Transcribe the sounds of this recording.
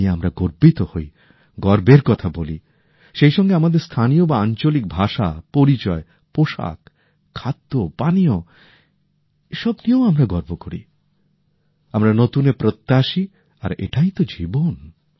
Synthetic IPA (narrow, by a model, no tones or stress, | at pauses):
eamɾaɡoɾbit̪ohoj | ɡɔɾbeɾkɔt̪ʰaboli | ʃejʃɔŋɡeamad̪eɾst̪ʰanijobaant͡ɕolik̚bʱaʃapoɾit͡ɕɔe | poʃa̰k | kʰːad̪ːopanijo | eʃɔbnioamɾaɡɔɾbokoɾḭ | amɾanot̪unepɾot̪ːaʃi | a̰ɾḛʈajt̪od͡ʑibon